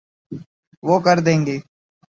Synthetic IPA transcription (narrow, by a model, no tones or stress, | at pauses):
ʋoːkəɾd̪ẽːŋɡeː